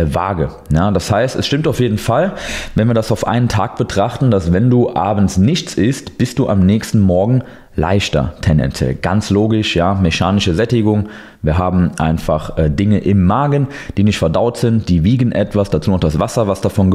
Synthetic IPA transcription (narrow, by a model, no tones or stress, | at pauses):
va̰ːɡə | jaːd̥ashaɪstɛsʃtɪmtaʊfjeːdn̩falvɛnviːɐdasaʊfʔa̰ɪnəntʰaːk̚b̥ətʁ̥aχtn̩dasvɛnduːʔaːbn̩snɪçt͡sɪstb̥ɪst̚d̥uːʔa̰mnɛːçstn̩mɔɐɡŋ̩ | lʔa̰ɪçtɐ̰tʰɛndɛ̰nt͡sjɛ̰lɡ̥a̰nt͡sloːɡɪʃjaːmeʃaːnɪʃəzɛtɪɡʊŋ | viːɐɦaːbm̩ʔa̰ɪnfaχʔɛːdɪŋəʔɪmːaːɡən | d̥iːnɪçtfɛɐdaʊtz̥ɪntd̥iːviːɡən̩ʔɛtv̥asd̥at͡suːnɔʊχd̥asv̥asɐvasd̥afɔnɡə